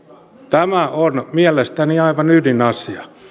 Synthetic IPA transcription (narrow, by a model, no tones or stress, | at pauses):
t̪æmæonmiælest̪æniɑiʋɑnydinɑsiɑ